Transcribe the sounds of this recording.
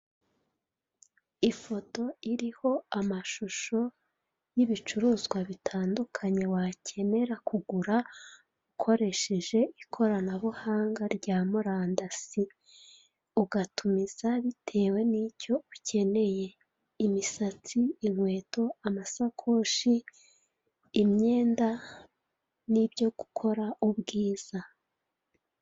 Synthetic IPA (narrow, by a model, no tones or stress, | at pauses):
ifo̞to̞iɾiho̞amaʃuʃo̞ | jiβit͡ʃuɾuːzɡwaβitʰaːndukʰaɲe̞wacʰe̞ne̞ɾakuɡuɾa | ukʰo̞ɾe̞ʃe̞ʒe̞ʔikʰo̞ɾanaβuhaːŋɡaɾɟaːmuɾaːndasi | uɡatumiz̥aβitʰe̞ːwe̞nico̞ucʰe̞ne̞je̞ | imisat͡siːmwe̞ːto̞amasakʰo̞ʃi | mɲe̞ːnda | nibjo̞ɡukʰo̞ɾaʔuβɡiːz̥a